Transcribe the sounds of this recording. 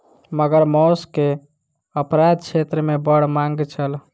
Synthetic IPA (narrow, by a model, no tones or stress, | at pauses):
məɡəɾmɔske | əpɾad̪̚t͡ʃʰet̪ɾəmebəɽ̤mãŋɡt͡ʃʰəl